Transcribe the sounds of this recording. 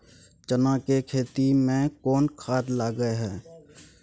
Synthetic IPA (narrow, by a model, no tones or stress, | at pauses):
t͡ʃənãkekʰeːt̪imẽkɔːnkʰaːd̪laːɡəeɦɛː